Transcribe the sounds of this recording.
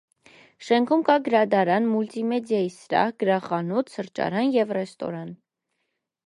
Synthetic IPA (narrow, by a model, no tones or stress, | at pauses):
ʃɛŋkʰumkɑɡəɾɑd̪ɑɾɑnmult̪imɛd̪jɑjisɾɑ̰hɡəɾɑχɑnut͡s̪ʰsəɾt͡ʃɑ̰ɾɑnjɛvrɛst̪ɔ̰ɾɑn